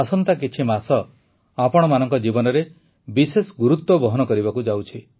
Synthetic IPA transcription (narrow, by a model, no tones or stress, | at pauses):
asɔnt̪akit͡ʃʰimasɔ | apɔɽ̃ɔmanɔŋkɔd͡ʒibɔnɔɾe | bisesɔɡuɾut̪wɔbɔɦɔnɔkɔɾibakud͡ʒawt͡ʃʰi